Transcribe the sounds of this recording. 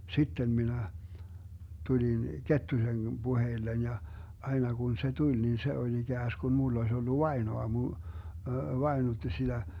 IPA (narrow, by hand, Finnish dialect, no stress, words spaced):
sitːem minæ tulin ketːusen b̥uheilːen jɑ ɑinɑ kun se tulʲ nin se olʲ iɡ̊æːsɡ̊un mulː oĭs olːu ʋɑenoɑmu ʋɑenutːi sid̥æ